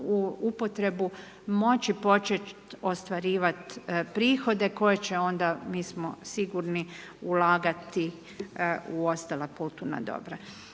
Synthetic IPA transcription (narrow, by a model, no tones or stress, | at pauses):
uupo̞t̪ɾe̞bu | mo̞t͡ɕipo̞t͡ʃet͡ʃt̪o̞st̪ʋaɾiːʋat̪pɾiːxo̞d̪e̞ko̞jet͡ɕe̞o̞nd̪amiːsmosiɡuɾni | ulaːɡat̪i | uo̞st̪alapulˠt̪una̰d̪o̰bɾa